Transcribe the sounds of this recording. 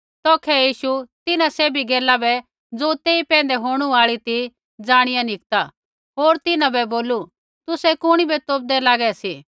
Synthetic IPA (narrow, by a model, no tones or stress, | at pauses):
t̪ɔːkʰɛjiːʃut̪ɪnãseːbʱiɡeːlabɛ | d͡zoːt̪eːipɛ̃ːnd̪ɛɦoːɽ̃uaːɭit̪i | d͡zaːɽ̃ɪjãnɪk̚t̪a | ɦoːɾt̪ɪnãbɛboːlu | t̪ʊsɛkʊɽ̃ibɛt̪oːp̚d̪ɛlaːɡɛsiː